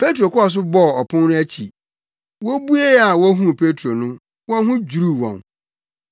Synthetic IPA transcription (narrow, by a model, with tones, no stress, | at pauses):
pʰe˦tɾo˨kʊ˦ɔ˨s̬ʊ˦bɔ˦˨ɔ˨pʰʊ̃˦nnʊ̃˦æ˦t͡ɕʰḭ˨ | wɔ˦bu˦e˦a˨wɔ˦ɦũ˦pʰe˦tʰɾo˨nʊ̃˦ | wɔ̃˦ɦʊ̃˦d͡ʑu˨ɾu˦wɔ̰̃˨n